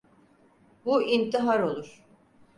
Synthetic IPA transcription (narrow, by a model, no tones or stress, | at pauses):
buint̪ʰiɦaɾo̞lˠuɾ̥